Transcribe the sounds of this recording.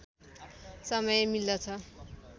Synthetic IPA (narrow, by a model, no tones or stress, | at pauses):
sʌmʌjemilːʌt͡sʰʌ